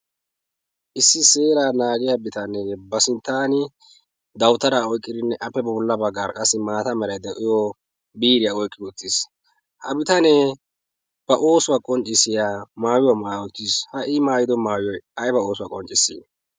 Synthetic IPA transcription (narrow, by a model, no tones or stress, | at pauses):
ʔɪsːɪse̞ːɾaːnaːɡɪjabɪt̪ɐnɛbɐsɪnt̪ːaːnɪ | d̪ɐwʊt̪ːɐɾaːɔjkʼːɪd̪ɪnːɛʔɐpːɛbɐbʊlːɐbɐɡːaːɾkʼɐsɪmaːt̪ɐmɛɾɐjd̪ɛʔɪjoː | biːɾɪjaɔjkʼːɪwʊt̪ːis | hɐbɪt̪ɐnɛ | b̥ɐʔoːsʊwakʼɔnt͡ʃʼːɪsɪjaːmaːwɪwɐmawɔt̪ːishɐʔɪmaːjɪd̪ɔmaːwɪjɔjɐjbɐo̞ːsʊwakʼɔnt͡ʃʼːɪsːḭ